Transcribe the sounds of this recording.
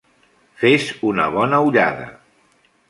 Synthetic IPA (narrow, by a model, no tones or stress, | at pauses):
fezunə̰β̞ɔnəuʎa̰ðə̰